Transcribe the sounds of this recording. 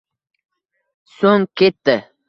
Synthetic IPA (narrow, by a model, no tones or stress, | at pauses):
soŋkʲʰet̪ːɪ